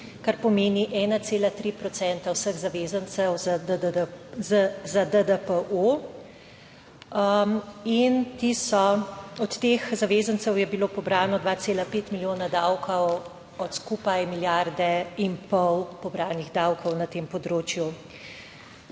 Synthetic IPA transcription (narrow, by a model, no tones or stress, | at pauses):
kaɾpɔmeːniʔɛːnat̪seːlat̪ɾiːpɾɔt̪sɛnt̪awsəɣzaʋeːzənt̪sɛw | zad̪əd̪əpəʔo | int̪isɔɔt̪t̪ːexzaʋeːzəntsɛwjɛbiloːpɔbɾaːnɔd̪ʋaːt̪seːlapeːt̪miljoːnad̪awkʰɔw | ɔt̪skuːpajmiljaɾd̪ɛimpɔwpɔbɾaːniɣd̪awkɔwnat̪empɔd̪ɾoːt͡ʃju